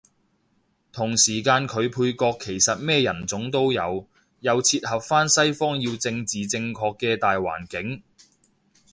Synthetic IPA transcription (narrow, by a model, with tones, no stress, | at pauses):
t̪ʰʊ˨˩ŋsiː˨˩kaː˧nkʰɵ˨˧ɥpʰuː˧jkɔː˧kʰːe˨˩jsɐ˨t̚mɛː˥jɐ˨˩nt͡sʊ˨˥ŋt̪o˥wjɐ˨˧w | jɐ˨˧wt͡sʰiː˧t̚hɐ˨p̚faː˥nsɐ˥jfɔː˥ŋjiː˧wt͡sɪ˧ŋt͡siː˨t͡sɪ˧ŋkʰɔː˧kːɛː˧t̪aː˨jwa̰ː˨˩nkɪ˨˥ŋ